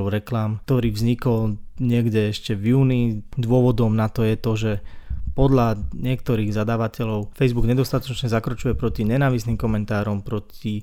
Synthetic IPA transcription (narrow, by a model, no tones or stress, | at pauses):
ɔʊɾɛklamt̪ɔɾiːvzɲikɔlɲɪɛɡɟɛɛʃcɛvjuːnid̪ʋʊɔʋɔd̪ɔmnat̪ɔjɛt̪ɔʒɛpɔd̪ʎaɲɪɛk̚t̪ɔɾiːɣzad̪aːʋacɛʎɔʊfɛjzbuɡɲɛd̪ɔst̪at̪ɔt͡ʃɲɛzakɾɔt͡ʃujɛpɾɔciɲɛnaːʋisniːmkɔmɛnt̪aːɾɔmpɾɔci